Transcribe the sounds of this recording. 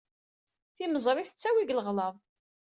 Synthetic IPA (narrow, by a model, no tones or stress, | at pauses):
θiməzˤɾˤiθə̥t͡sːæwiɡləʁləðˤ